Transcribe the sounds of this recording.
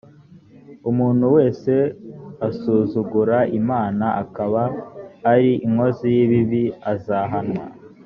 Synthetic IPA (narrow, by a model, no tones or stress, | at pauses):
umuːn̥huwe̞ːse̞asuːzuɡuɾaimaːnaʔakaβaː | ɾiʔiŋo̞zijiβiβiazaɦanwa̰